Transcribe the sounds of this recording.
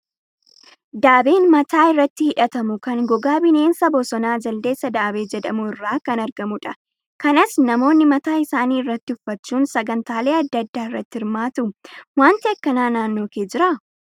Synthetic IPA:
d̪aːbe̞ːnmɐt̪ʰaːɪrːɐt̪ːɪhɪᶑɐt̪ɐmʊkɐŋɡɔɡaːbɪne̞ːnsɐbɔsɔnaːd͡ʒɐld̪e̞ːsːɐd̪aːbe̞ːd͡ʒɛᶑ̪ɐmʊɪrːaːkɐnɐɾɡɐmʊᶑɐ | kɐnɐsnɐmo̞ːnːɪmɐt̪aːɪsaːniːɪrːɐt̪ːɪʊfːɐt͡ʃːuːnsɐɡɐnt̪aːle̞ːɐd̪ːɐd̪ːaːɪrːɐt̪ːɪhɪɾmaːt̪ʊwaːnt̪ɪɐkːɐnaːnaːnːo̞ːkeːd͡ʒɪɾa

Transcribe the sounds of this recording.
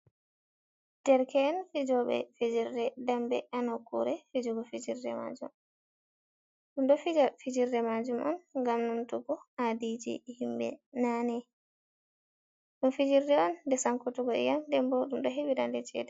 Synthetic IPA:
d̥ɛɾkɛːnfid͡ʒɔɓɛ̰fid͡ʒiɾdɛdambɛ̰anɔkṵɾɛfid͡ʒuɡɔfid͡ʒiɾdɛma̰d͡ʒṵm | ɗumɗɔfid͡ʒafid͡ʒiɾdɛmad͡ʒumʔɔ̰nŋɡamnuntuɡɔadid͡ʒḭhimbɛ̰nanɛ | ɗumfid͡ʒiɾdɛɔnːdɛsaŋkutuɡɔjandɛmbɔɗumɗɔɦebidandɛt͡ʃɛ̰ːdɛ

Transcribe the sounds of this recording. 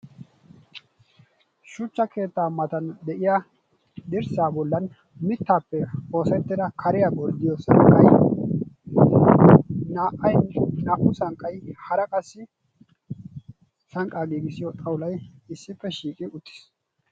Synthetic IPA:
ʃʊt͡ʃːɐkʰe̞ːt̪ːaːmːɐt̪ɐnd̪ɛʔɪja | d̪ɪɾsaːbɔlːɐn | mɪt̪ːaːpːɛo̞ːsɛt̪ːɪd̪ɐkʰɐɾɪjaɡɔɾd̪ɪjɔsɐŋkʼːɐj | naːʔɐjnɐʔʊsɐŋkʼːɐjhɐɾɐkʼɐsːɪ | sɐŋkʼːaːɡiːɡɪsɪjɔt̪ʼɐwʊlɐjɪsːɪpːɛʃiːkʼɪʊt̪ːɪ̥s

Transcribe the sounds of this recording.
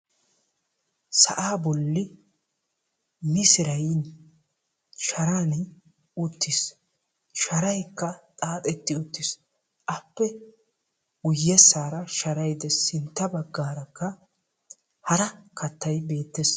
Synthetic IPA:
sɐ̰ʔaːbɔlːɪ | mɪsɪɾɐjn | ʃɐɾaːn | ʊt̪ːɪs | ʃɐɾɐjkːɐt̪ʼaːt̪ʼɛt̪ːɪʊt̪ːɪs | ʔɐpːɛ | ɡʊjːɛsaːɾɐʃɐɾɐjd̪ɛsɪnt̪ːɐbɐɡːaːɾɐkːɐ | hɐɾɐkʰɐt̪ːɐjbe̞ːt̪ːes

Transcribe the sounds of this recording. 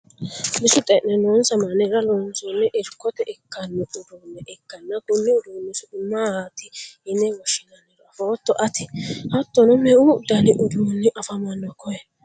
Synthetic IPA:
nɪsʊt̪ʼɛnɛnoːnsɐmanɛɾɐloːnsɔnːɛʔɪɾkːɔt̪ɛʔɪkːɐnːɛʔʊd̪uːnːɛʔɪkːɐnːɐkʊnːɪʊd̪uːnːɪsʊdʊmːahat̪ɪɪnːɛwɔʃːɪnɐnɛdɔɐfoɔt̪ːɔʔɐt̪ɪhɐt̪ːɔnɔmɛʊd̪ɐnɪʔʊd̪uːnːɪʔɐfɐmɐnːɔkɔɛ

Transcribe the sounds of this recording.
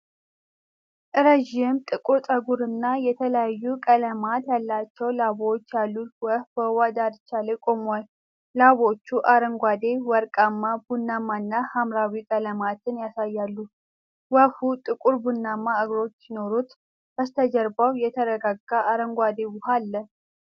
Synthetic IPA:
ʔɨɾəʒɪmt̪ʼɨkʼuɾt̪ʼəɡuɾɨnːajɛt̪ʰələjajːukʼələmat̪jalːat͡ʃːɛwlaβot͡ʃːjalːut̪wəhbəwad̪ad̪t͡ʃalekʼo̞mual | laβo̞t͡ʃːuʔaɾəŋɡʷad̪e̞wɔɾkʼamːabunːamanːahamɾawikʼələmat̪ʰɨnjasajːalːu | wəhut̪ʼɨkʼuɾbunːamːaəɡɾo̞t͡ʃːjɪno̞ɾut̪ | bəst̪ʰəd͡ʒəɾbawjɛt̪ʰəɾəɡaɡːaaɾəŋɡʷad̪e̞wʊhalːə

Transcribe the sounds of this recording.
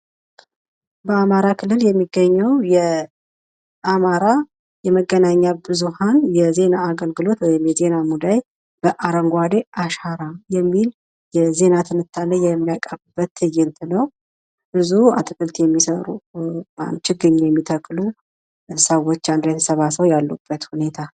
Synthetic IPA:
bəamaɾakʰɨlːɨljɛmːiɡːəɲːəwjɛ | ʔamaɾa | jɛməɡːənaɲːabɨzuhanjɛze̞naːɡəlɡɨlo̞t̪wɔjɪmjɛze̞namud̪aj | b̥əʔaɾəŋɡʷad̪e̞ʔaʃaɾajɛmːil | jɛze̞nat̪ʰɨnɨt̪ʰːalːəjɛmːijakʼəβɨbːət̪ːɨjɪnt̪ʰɨnəw | b̥ɨzua̰t̪ʰɨkɨlt̪jɛmːisəɾṵma̰nt͡ʃɪɡɨɲːjɛmːit̪ʰəkʼːlu | səwo̞t͡ʃːand̪ɾjɛt̪ʰəsəβasəwjalːub̥ːət̪hune̞t̪ʰa

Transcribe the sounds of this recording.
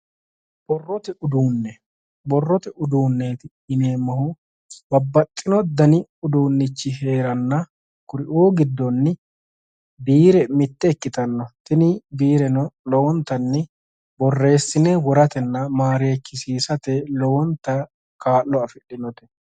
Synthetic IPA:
b̥ɔrːɔt̪ɛʊd̪uːnːɛ | bɔrːɔt̪ɛʊd̪uːnːeːt̪ɪ | ɪneːmːɐhʊ | bɐbːɐt̪ʼːɪnɔd̪ɐnɪʊd̪uːnːɪt͡ʃːɪɦe̞ːɾɐnːɐ | kʊɾɪʔoːɡɪd̪ːɔnːɪ | biːɾɛmɪt̪ːɛɛkːɪt̪ɐnːɔt̪ɪnɪbiːɾɛnɔlɔwɔnt̪ːɐnːɛ | bɔrːe̞ːsːɪnɛwɔɾɐt̪ɛnːɐmaːɾeːkːɪsiːsɐt̪ɛlɔwɔnt̪ːɐ | kaːlːɔɐfɪᶑɪnɔt̪ɛ̥

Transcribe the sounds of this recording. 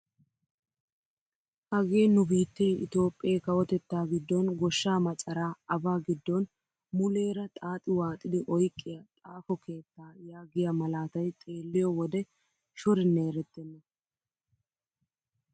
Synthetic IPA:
hɐɡeːnʊbiːt̪ːɛjɪ̰t̪o̞ːpʼːɪeːkɐwɔt̪ɛt̪ːaːɡɪd̪ːɔnɡɔʃːaːmɐt͡ʃʼɐɾaːɐbaːɡɪd̪ːɔn | mʊle̞ːɾɐt̪ʼaːt̪ʼːɪwaːt̪ʼɪd̪ɪʔɔjkʼːɪjɐt̪ʼaːfɔkʰe̞ːt̪ːaːjaːɡɪjɐmɐlaːt̪ɐjt̪ʼe̞ːlːɪjɔwɔd̪ɛ | ʃɔɾɪne̞ːɾɛt̪ːɛnːɛ

